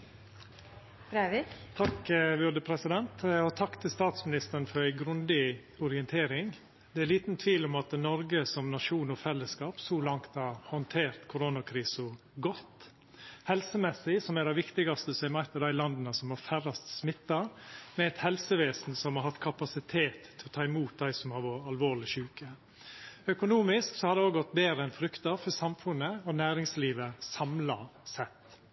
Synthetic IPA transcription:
bɾæɪʋɪt̪ʰɑkʋʏd̪əpʰɾɛsɪd̪ɛnt̪ɔt̪ʰɑkːt̪ʰɪlst̪ɑːt̪smɪnɪst̪əɾn̩fɔɾæɪɡɾʉnd̪ɪ | ɔɾɪɛnt̪ʰeːɾɪŋ | d̪ɛæliːt̪n̩t̪ʰʋiːlɔmɑt̪nɔɾɡəsɔmnɑʂuːnɔfɛlːəskɑːpsɔlɑŋt̪ɑɾhɔnt̪ʰeːɾt̪kʰʊɾonɑkʰɾiːsə | ɡɔt̪ː | hɛlsəmɛsɪsɔmæɾɛɪʋɪkt̪ɪɡɑst̪əəsɛɪmæɪt̪əd̪æɪlɑnd̪ənəsɔmhɑɾfæɾɑst̪smɪt̪ːɑmɛɛt̪hɛlsəʋeːsn̩sɔmhɑɾhɑt̪ːkʰɑpɑsɪt̪ʰeːt̪ʰːɛɔt̪ʰɑːɪmuːt̪̚d̪æɪsɔmhɑɾʋɔɑlʋoːɾlɪʃʉːkə | œkʊnuːmɪsksɔhɑɾd̪ɛoːɡɔt̪ːbeːɾəɛnfɾʏkt̪əɾfɔɾsɑmfʉnəɔnæːɾɪŋsliːʋəsɑmlɑsɛt̪ː

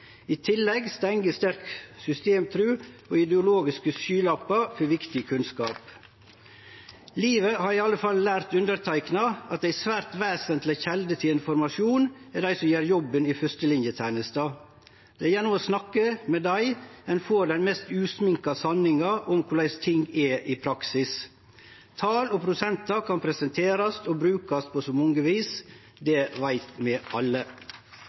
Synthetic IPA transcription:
iːt̪ʰɪlːɛɡst̪ɛŋɡəst̪æɾksʏst̪eːmt̪ʰɾʉːoːɪd̪əʊloːɡɪskəsyːlɑpːɑfɔɾʋɪkt̪ɪkʰʉnskɑ̰ːp | liːʋəhɑːɾiːɑlːəfɑllæːɾt̪ʉnd̪əɾt̪ʰæɪknɑɑt̪̚d̪æɪsʋæːɾt̪ʋeːsənt̪lɪçɛld̪ət̪ʰɪlɪnfɔɾmɑʂuːnɛd̪æɪsɔmjeːɾjɔbːəniːfœst̪əlɪnjət̪ʰænəst̪ɑː | d̪̥ɛɛɾjɛnʊmɔsnɑkːəmɛd̪æɪɛnfoːɾd̪ɛnmɛst̪ʉːsmɪŋkɑsɑnːɪŋɑʔɔmkʰʊɖ̪æɪst̪ʰɪŋɡɛʔɪpʰɾɑksɪs | t̪ʰɑːlɔpʰɾʊsɛnt̪ɑkʰɑnpʰɾɛsənt̪ʰeːɾɑst̪obɾʉːkɑst̪pʰosoːmɔŋəʋiːs | d̪ɛʋæɪt̪mɛʔɑlːə

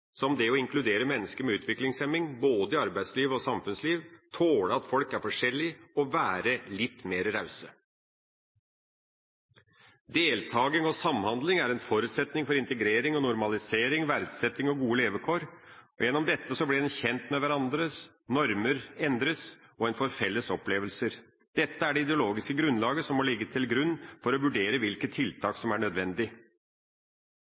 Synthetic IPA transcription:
sɔmd̪ɛɔɪŋklʉd̪eːɾəmɛnːəskəɾmɛʉːt̪ʰʋɪklɪŋsɛmːɪŋboːd̪əɪɑɾbæɪd̪sliːʋɔsɑmfʉnsliːʋt̪ʰoːləɑt̪fɔlkæɾfɔʂɛlːɪɔʋæːɾəlɪt̪ːmeːɾɾɑʉsə | d̪eːlt̪ʰɑːɡɪŋɔsɑmhɑnd̪lɪŋæɾɛnfɔɾʉːt̪sɛt̪nɪŋfɔɾɪnt̪əɡɾeːɾɪŋɔnʊɾmɑlɪseːɾɪŋʋæɾd̪sɛt̪ːɪŋɔɡuːəleːʋəkʰoːɾɔjɛnːɔmd̪ɛt̪ːəsɔblɪd̪ɛnçɛnt̪mɛʋæɾɑnd̪ɾə | nɔɾməɾɛnd̪ɾəsɔɛnfɔɾfɛlːəsɔpːleːʋəlsəɾ | d̪̥ɛt̪ːəæɖɛɪd̪ɛʊloːɡɪskəɡɾʉnlɑːɡəsɔmːɔlɪɡːət̪ʰɪlɡɾʉnːfɔɾɔʋʉɖeːɾəʋɪlkət̪ʰːɪlt̪ʰɑːksɔmæɳœd̪ʋɛnd̪ɪ

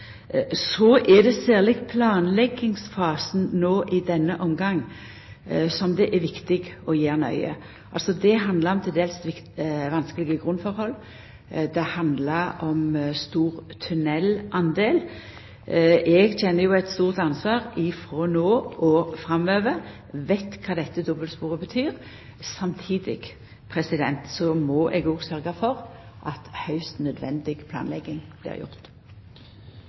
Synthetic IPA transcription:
sɔʔɛd̪ɛsæːʁlɪɡpʰlɑːnlɛɡːɪŋsfɑːsn̩noːʔɪd̪ɛnːəʔɔmɡɑŋː | sɔmd̪ɛʔɛʋɪkt̪ɪɡɔjeːʁnœ̰ʏə̰ | ʔɑlsɔd̪ɛɦɑnd̪ləʁɔmt̪ʰɪld̪eːlsʋɪk | ʋɑnskəlɪɡəɡʁʉnfɔʁhɔlː | d̪ɛhɑnd̪ləʁɔmst̪uːʁt̪ʰʉnɛlʔɑnd̪eːl | ʔɛɡtʰɛnːəjʊɛt̪st̪uːʁt̪ɑnsʋɑːʁɪfʁɔːnoːʔɔfʁɑmøːʋə | ʋɛɪt̪kʰɑːd̪ɛt̪ːəd̪ɔbəlspuːʁəbət̪ʰyːʁ | sɑmt̪ʰiːd̪ɪ̰ɡ | pʰʁɛsɪd̪ɛnt̪sɔmɔʔɛɡoːɡsœʁɡɑfɔʁʔɑt̪hɑʉst̪nœd̪ʋɛ̰nd̪ɪɡpʰlɑ̰ːnlɛɡːɪŋb̥lɪ̰ːʁjʊ̰ʁt̪

